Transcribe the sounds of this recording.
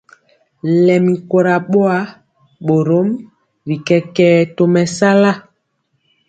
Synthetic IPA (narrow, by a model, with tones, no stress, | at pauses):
lɛ˨mi˨ko˨ɾa˨ɓo˦a˦ | ɓo˨ɾo˨˦m | ɾi˨kɛ˨kɛː˦˨to˨mɛ˨sa˦la˦